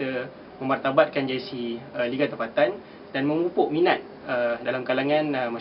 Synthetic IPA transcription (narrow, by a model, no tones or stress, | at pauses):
ə | mə̃mbart̪abat̪̚kand͡ʒesiəliɡat̪əmpat̪an | danmə̃mupʊʔminat̪̚ | ədalamkalaŋãnəma